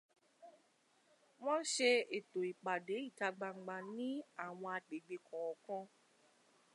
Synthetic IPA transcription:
w̃ɔ̃˦ʃe˧e˨to˨i˨k͡pa˨de˨˦i˦˨ta˧ɡ͡ba˧ŋ͡m̩˨ɡ͡ba˧nĩ˦a˦˨w̃ɔ̃˧a˧k͡pe˨ɡ͡be˧kʰɔ̃˨ɔ˨kɔ̃˦

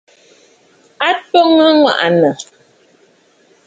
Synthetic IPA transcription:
a˦tɔ˦ŋa˦ŋwa̰˦˨ʔa˨nə˨

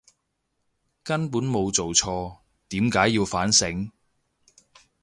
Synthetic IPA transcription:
kɐ˥npuː˨˥nmo˨˧wt͡so˨wt͡sʰɔː˧ | t̪iː˨˥mkaː˨˥jːiː˧wfaː˨˥nsɪ˨˥ŋ

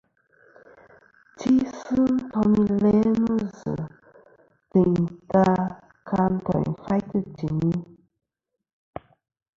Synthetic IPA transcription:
ti˦sɨ˦n̩˦tɔ˧mi˦lɛ˦nu˦zɨ̰˨ | tɨ˨ŋta˦ | ka˧n̩˦tɔ̰˨fa˦jtə˦ti˨ni˦

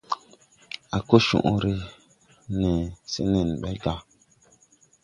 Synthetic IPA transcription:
a˨ko˦ʃṵ̃˨ʔu˦ɾe˦ | ne˨sḛ˦ne˨n˨ɓɛ˦ɡa˦

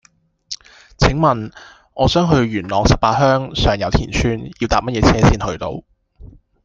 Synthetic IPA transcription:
t͡sʰɪ˨˥ŋmɐ˨n | ʔɔː˨˧sœː˨˥ŋɦɵ˧ɥɥyː˨˩nlɔː˨ŋsɐ˨p̚paː˧t̚ɦœː˥ŋsœː˨˩ŋjɐ˨˧wt̪ʰḭː˨˩nt͡ʃʰyː˥njiː˧wt̪aː˨p̚mɐ˥t̚jɛː˨˧t͡sʰɛː˥siː˥nhɵ˧ɥt̪o̰˧w

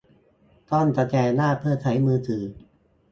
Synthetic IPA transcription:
t̪ɔ˥˩nt̪ɔ˧˩t͡ɕɛː˧˩laː˥˩pʰɯ˥˩ɐt͡ɕʰa˩˦jmɯː˧t̪ʰɯː˩

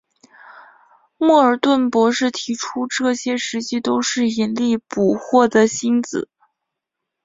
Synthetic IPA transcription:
mɔ˥˩ə˞˨˩t̪wə˥˩npwɔ˧˥ʂɻ̩˥˩t̪ʰi˧˥ʈ͡ʂʰu˥ʈ͡ʂɤ˥˩ɕjɛ˥ʂɻ̩˧˥t͡ɕi˥t̪o˥ʊʂɻ̩˥˩i˧˥nli˥˩pu˨˩xwɔ˥˩d̪ə˩ɕi˥nt͡sɹ̩˨˩˦

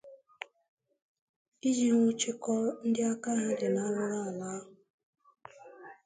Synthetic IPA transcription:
i˦d͡ʒi˨ŋʷʊ˦t͡ʃɪ˦kɔ˦n̩˦dɪ˦a˦ka˦ɦa˦dɪ˨na˦lʊ˦ɾa˦a˨la˦ɦʊ˨

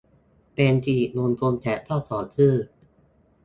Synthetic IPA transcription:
peː˧nt̪ʰiː˨˩nu˧nt̪u˧mt̪ʰɛ˩˦˥t̪ʰɔː˥˩t̪ʰɔː˩˦t̪ʰɯː˥˩

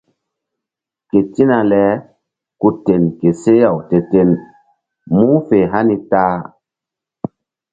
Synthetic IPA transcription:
ke˨ti˦na˧lɛ˨˦ | ku˧te˨nke˨se˦ja˨wte˨te˦n | mu˦fe˨ɦa˦ni˧taː˦

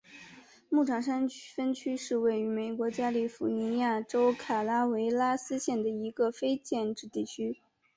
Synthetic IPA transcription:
mu˥˩ʈ͡ʂʰɑ˨˥˩ŋʂa˥nfə˥nt͡ɕʰy˥ʂɻ̩˥˧we˥˩ɪy˧˥me˨˩ɪkwɔ˧˥t͡ɕja˥li˥˩fu˨˥˩ni˧˥ja˥˩ʈ͡ʂo˥ʊkʰa˨˩la˥we˧˥ɪla˥sɹ̩˥ɕjɛ˥˩nd̪ə˩i˧˥ɡə˧fe˥ɪt͡ɕjɛ˥˧nʈ͡ʂɻ̩˥˧t̪i˥˩t͡ɕʰy˥

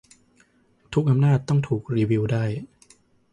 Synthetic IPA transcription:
t̪ʰu˦˥k̚ʔa˧mnaː˥˩t̪̚ːɔ˥˩ŋt̪ʰuː˨˩k̚ɾiː˧wi˧wdaː˥˩j

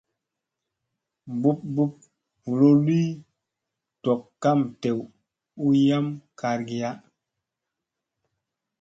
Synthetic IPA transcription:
bu˦p̚bu˦p̚ | vu˨lo˦li˦ | to˨kːa˦mte˨w | u˦ja˦mkʰa˨ɾɡi˨ja˦

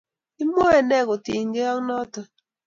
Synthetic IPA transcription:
i˦mo˦e˨nɛ˦˨ko˨ti˨ŋɡe˦a˦ŋnɔ˦tɔ˨

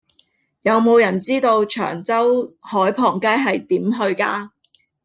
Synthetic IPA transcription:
jɐ˨˧wmo˨˧wjɐ˨˩nt͡siː˥t̪o˧wt͡ʃʰœ̰ː˨˩ŋt͡sɐ˥whɔː˨˥jpʰɔː˨˩ŋkaː˥jɦɐ˨jt̪iː˨˥mɦɵ˧ɥkaː˧

